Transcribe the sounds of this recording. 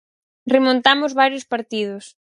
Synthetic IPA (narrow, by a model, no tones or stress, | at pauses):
remõnt̪amʊzβaɾjʊspaɾt̪ið̞ʊs